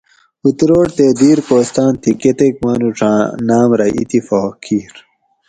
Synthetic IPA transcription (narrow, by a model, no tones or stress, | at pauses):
ut̪ɾoːʈt̪eːd̪iːɾpoːst̪ãːnt̪ʰiket̪ekmɐnuʈ͡ʂʰãːnaːmɾɐʔḭt̪ifoːkʰiːɾ